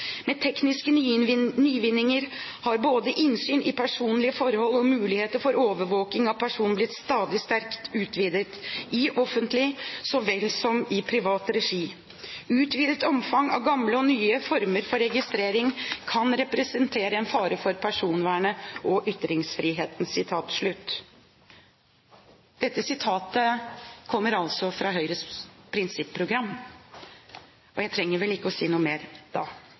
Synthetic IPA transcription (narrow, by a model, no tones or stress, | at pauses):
meːt̪ʰɛknɪskənnyːʋɪnːɪŋəɾ | hɑɾboːd̪əʔɪnsyːnʔɪpʰæʂuːnlɪəfɔɾhɔlːɔmʉːlɪheːt̪əɾfɔɾoːʋəɾʋoːkɪŋɑʋpʰæʂuːnnblɪt̪st̪ɑːd̪ɪst̪æɾkt̪ʉːt̪ʰʋiːd̪ət̪ʔɪʔɔfənt̪lɪsɔʋɛlsɔmɪpʰɾɪʋɑːt̪ɾɛʂiː | ʉːt̪ʋiːd̪t̪ɔmfɑŋɑ̰ʋɡɑmləɔnyːəfɔɾməɾfɔɾɛɡɪst̪ɾeːɾɪŋkʰɑnɾɛpɾɛsənt̪ʰeːɾəɛnfɑːɾəfɔɾpʰæʂuːnʋæːɳəʔɔʔʏt̪ːɾɪŋsfɾiːɦeːt̪n̩sːɪt̪ʰɑːt̪ʂɭʉt̪ː | d̪̥ɛt̪ːəsɪt̪ʰɑːt̪əkʰɔmːəɾɑlsɔfɾɑːɦœʏɾəspʰɾɪnsɪpʰːɾʊɡɾɑmː | ɔjæɪt̪ʰɾɛŋːəɾʋɛlɪkːəɔsiːnuːəmeːɾd̪̥ɑː